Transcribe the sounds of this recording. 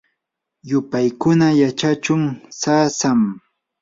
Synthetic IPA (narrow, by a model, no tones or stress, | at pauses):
jʊpajkʊnajat͡ʃat͡ʃʊŋsaːsam